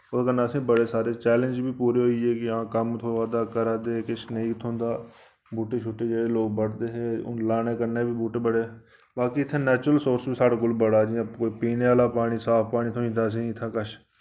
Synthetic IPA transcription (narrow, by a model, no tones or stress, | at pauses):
okənːaːsẽːbəɽeːsaːɾeːt͡ʃɛːlə̃nd͡ʒbʱiːpuːɾeːɦoːieːkɪãːkəmt̪ʰoʋaːd̪aːkəɾaːd̪eːkɪt͡ʃnəĩːt̪ʰõːnd̪aː | buːʈeːt͡ʃʰʊʈːeːd͡ʒeːɽeːloːɡbəɽd̪eːɦeːʊ̰nlaːneːkəɾneːbʱiːbuːʈeːbəɽeː | baːkiːɪt̪ʰːeːnɛːt͡ʃɾəlsoːɾsbiːsaːɽaːɡʊlbəɽaːd͡ʒiãkoːiːpiːneaːlaːpaːɽiːsaːpʰpaːniːt̪ʰoĩnd̪aːs̬ĩːɪt̪ʰːãːkət͡ʃʰ